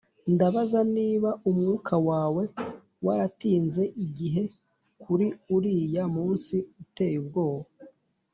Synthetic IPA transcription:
ndaβazaniːβaumŋukʰawaːwe̞ | waɾatiːnze̞ʔiɟiɦe̞ | kʰuɾiuɾijamuːnsiute̞jubɡo̞ːho

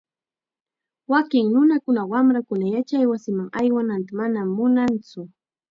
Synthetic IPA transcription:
wakɪŋnʊnakʊnawamɾakʊnajat͡ʃajwasɪmaŋajwanant̪amanamːʊnant͡sʊ

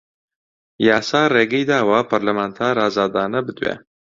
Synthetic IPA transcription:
jaːsaːreːɡɐjd̪aːwapʰɐɾlɐmaːnt̪ʰaːɾaːzaːd̪aːnɐbɨd̪wḛː

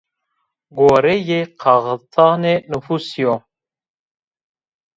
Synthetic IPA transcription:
ɡoːɾejeqʰɑɣt̪ʰɑːnenufusijo

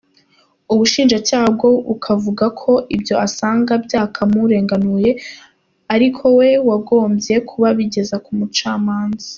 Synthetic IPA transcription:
uβuʃiːnʒacaːhab̚ɡo̞ukʰavuɡakʰo̞ʔibjo̞asaːŋɡabjaːkʰamuɾe̞ːŋɡanuje̞ | aɾikʰo̞we̞waɡo̞ːmbje̞kʰuβaβiɟe̞zakumut͡ʃaːmaːnzḁ

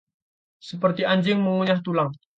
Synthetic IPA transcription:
səpərt̪iaɲd͡ʒɪŋməŋuɲaht̪ulaŋ

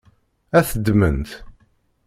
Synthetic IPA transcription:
æθəd̪ːmə̰nt̪

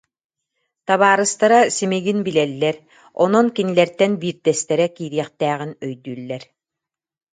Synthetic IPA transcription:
t̪aβaːɾɯst̪aɾasimiɡinbilɛlːɛɾ | ɔ̰nɔnkinilɛɾt̪ɛnbiːɾd̪ɛst̪ɛɾɛkiːɾiɛχt̪æːʁinœjd̪yːlːɛɾ

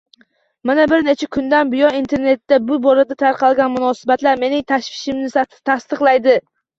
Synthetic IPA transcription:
manabɪɾne̞t͡ʃʰakʲʰʊnd̪anbɪjɒint̪ʰe̞ɾne̞t̪ːabʊbɒlad̪at̪ʰaɾqɑlˠɡʲanmʊnɒsɪbat̪laɾme̞nɪŋt̪ʰaʃfɪʃɪmnɪsat̪ʰɪ̥t̪ʰast̪ɨqlˠajd̪ɪ

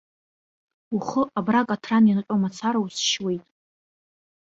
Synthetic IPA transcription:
uχəʔabrakʼatʰraninqʲʷʼomat͡sʰaɾausʃwe̞jtʼ

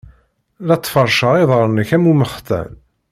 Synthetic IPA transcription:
lɑt̪ˤːfəɾˤʃəʁiðˤʁəɾˤnːəçæmuməχt̪æ̰n

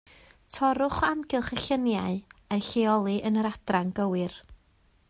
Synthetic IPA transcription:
tʰɔɾʊχamɡɪlˠχəɬənjaɨejɬeɔlˠɨʔənəɾad̥raŋɡəwɪr

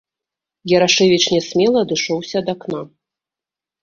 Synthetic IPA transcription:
jɛɾaʂɛvʲit͡ʃnʲɛsʲmʲɛlˠɐːd̪ɨʂɔwsʲɐd̪akna

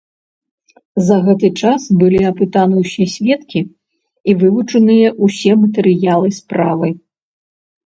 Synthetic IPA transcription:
zɐɣɛt̪ɨt͡ʂasbɨlʲiɐpɨt̪anɨwsʲɛsʲvʲɛt̪kʲi | ivɨvut͡ʂɐnɨjɐʔusʲɛmɐt̪ɛɾɨjalˠɨspɾavɨ

